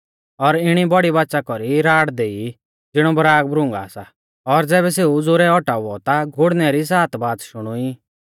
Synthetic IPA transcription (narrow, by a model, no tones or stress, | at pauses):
ɔɾɪɽ̃ibɔɽibaːtːʃakɔɾiɾaːɽd̪eːi | d͡zɪɽ̃ɔbəɾaːɡ̚bɾʊ̃ŋɡa̰ːsa | ɔɾd͡zɛːβɛseːud͡zʊɾɛɔʈauɔt̪aɡʱʊɽnɛɾis̬aːt̪baːd̪ʃʊɽ̃ui